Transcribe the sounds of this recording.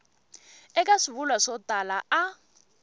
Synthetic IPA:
ɛk̬ʼasiβulwasɔtʼalaa

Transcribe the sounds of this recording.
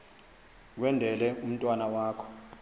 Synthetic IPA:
k̬wɛndʱɛlɛum̩tʼwanawaːkʰɔ̥

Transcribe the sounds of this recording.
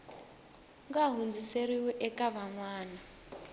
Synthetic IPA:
ŋɡaɦund͡zʱiseɾiwɛʔɛkʼaβaŋwaːna

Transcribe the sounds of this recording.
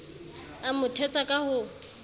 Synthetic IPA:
amʊtʰɛt͡sʼakʼahʊ

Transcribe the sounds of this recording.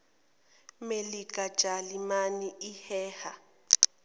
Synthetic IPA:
melikʼḁʒ̥ʱʼalimaniihɛːha

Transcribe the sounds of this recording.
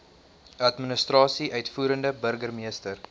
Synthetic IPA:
ɐtminəstrɑːsiʔœɥtfuːɾəndəbərɡərmiəstər

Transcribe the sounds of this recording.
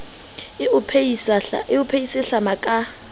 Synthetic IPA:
ɪpʰsɪʊpʰeisɪɬamakʼa

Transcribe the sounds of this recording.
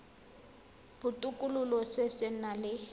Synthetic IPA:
b̥ʊtʼukʼʊlʊlɔsesɪnalɪ

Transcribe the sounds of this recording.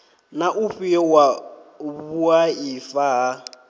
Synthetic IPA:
naʔuɸiɛwaβuaifaɦa

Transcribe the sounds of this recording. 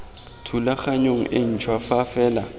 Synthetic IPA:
tʰulaxaɲoŋ̩ʔen̩t͡ʃʰwafafɛːla

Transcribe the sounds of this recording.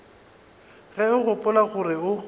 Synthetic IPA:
ɣɛʊɣʊpʼʊlaɣʊrɪʊ

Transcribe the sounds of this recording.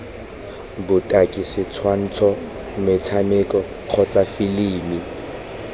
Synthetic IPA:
bʊtʼakʼɪsɪt͡sʰwan̩t͡sʰɔ | mɪt͡sʰamɪkʼɔ | q͡χʰɔt͡sʼafɪliːmi

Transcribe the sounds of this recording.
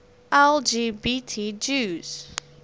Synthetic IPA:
ʔɛld͡ʒibitʰid͡ʒuz̥

